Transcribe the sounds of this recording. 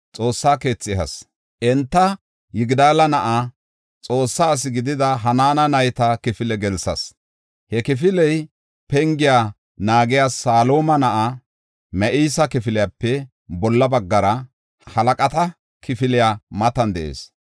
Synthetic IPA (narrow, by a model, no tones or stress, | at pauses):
t͡sʼo̞ːsːaːke̞ːt͡sːɪɦɐs | ʔɛnt̪ːɐ | jɪɡd̪aːlɐnɐʔa | t͡sʼo̞ːsːaːs̬ɪɡɪd̪ɪd̪ɐɦɐnaːnɐnɐjt̪ɐkɪfɪlɛɡɛlsɐ̰s | hɛkɪfɪlɛj | pɛŋɡɪja | naːɡɪjaːsaːlo̞ːmɐnɐʔɐ | mɛʔiːsɐkɪfɪlɪjapːɛ | bɔlːɐbɐɡːɐɾɐ | hɐlɐkʼɐt̪ɐ | kɪfɪlɪjaːmɐt̪ɐnd̪ɛʔḛːs